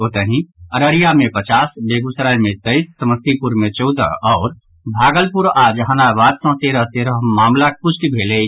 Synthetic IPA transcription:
oːt̪əɦĩəɾəɾijamẽpət͡ʃaːsbeːɡusɾajmẽt̪əɪsːəməst̪ipuɾmẽt͡ʃɔʊd̪ə̰ɔːɾ | bʱaːɡəlpuɾaːd͡ʒɦənabaːd̪sɔ̃ɦt̪eɾəɦt̪eɾəɦmaːmlapʊt͡ʃʰkibʱeːle

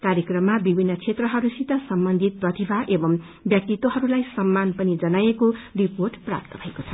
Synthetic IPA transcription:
kaɾjekrʌmːabibʱinːʌt͡sʰet̪rʌɦʌɾusit̪ʌsʌmbʌnd̪ʱit̪̚prʌt̪ibʱaʔebʌm | bjʌk̚t̪it̪ːoɦʌɾulajsʌmːanpʌnid͡zʌnajekoriporʈpra̰p̚t̪ʌbʱʌekot͡sʰʌ

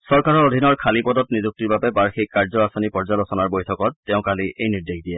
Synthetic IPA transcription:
sɔɹkaɹɔodʱinɔɹkʰalipɔdɔtnizuk̚tiɹbabɛbaɹxik̚ːaɹzɔasɔnipɔɹzalosɔnaɹbojtʰɔkɔtːɛʊ̃kaliʔejniɹdexdiɛ

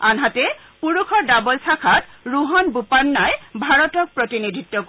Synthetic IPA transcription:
anɦatɛ | puɹukʰɔɹdabɔlsʰakʰatɹuɦɔnbupanːajbʱaɹɔtɔk̚pɹɔtinidʱitːɔk

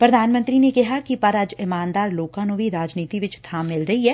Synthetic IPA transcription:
pɾɐd̪ʱaːnmə̃nt̪ɾinekɪɦakipɐɾɐd͡ʒɪmaːnd̪aːɾloːkãnõbʱiɾaːd͡ʒniːt̪iʋɪt͡ʃt̪ʰãːmːɪlɾɐɦiɦɛː

